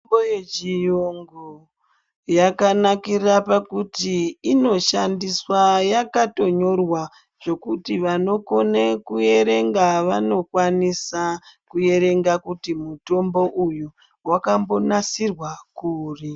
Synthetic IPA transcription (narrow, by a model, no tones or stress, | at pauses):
mbojed͡ʒijoŋɡo | jakanakirapakutiːno̞ʃandiswajakato̞ɲo̞rwa | ʐ̥o̞kutiʋano̞ko̞nekuje̞ɾe̞ŋɡaʋano̞kwanisakuje̞ɾe̞ŋɡakutimuto̞mbo̞ʔuju | wakambo̞nasirwakuːri